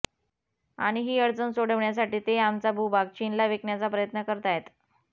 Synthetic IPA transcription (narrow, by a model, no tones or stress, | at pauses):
a̰ɽ̃iɦiːəɽt͡sənsoɽəʋɳjas̬aʈiːt̪eamt͡sabʱubʱaɡ̚t͡ɕinlaʋekɳjat͡sapɾəjət̪nəkəɾt̪aɦet̪